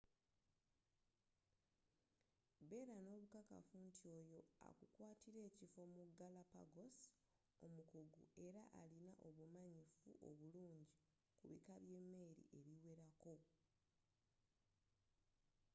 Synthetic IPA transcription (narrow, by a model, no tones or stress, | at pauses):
be̞ɾano̞ːβukaka̰funtio̞jo̞a̰kukwaːtiɾe̞ːcifo̞muɡalapa̰ɡo̞s | omukuɡṵe̞ɾaʔalinaʔo̞βumaɲifṵʔo̞̰βuluːɲɟi | kuβḭkaβje̞ːmːe̞ːɾḭʔe̞βiweɾako̞